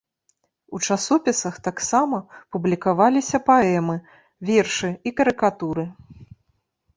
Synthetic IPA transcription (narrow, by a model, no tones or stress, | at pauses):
ut͡ʂasɔpʲisɐxt̪aksamɐpublʲikavalʲisʲɐpaɛmɨ | vʲɛrʂɨikɐɾɨkat̪uɾɨ